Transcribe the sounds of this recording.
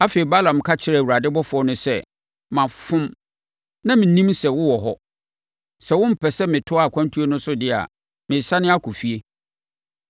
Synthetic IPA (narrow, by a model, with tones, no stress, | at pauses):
a˦fe˨e˨ba˦lã˨m˨kʰa˦t͡ɕʰɪ˨ɾɛ˦˨wu˨ɾa˨dɪ˦bɔ˦fʊ˨˦ɔ˦nʊ̃˦sɛ˦ | mã˨fʊ̃˦m | nã˦mɪ̃˨nĩ˦msɛ˨wʊ̃˦wɔ˨ɦɔ˦ | sɛ˨wʊ̃˦m̩˦˨pʰɛ˨sɛ˦mɪ̃˨tʰʊ˦a˨kʷʰã˦n˦tʰu˦e˦nʊ̃˦sʊ˦dɪ˦a̰˨ | mɪ̃˨sa˦nɪ̃˦a˦kʰʊ˨fi˨e˦